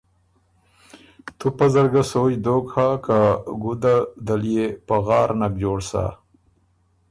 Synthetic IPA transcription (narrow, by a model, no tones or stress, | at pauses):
t̪upɐzɐɾɡasojd̪oːkhakaɡud̪ad̪alijepaɣɑːɾnakd͡ʑoːɽsa̰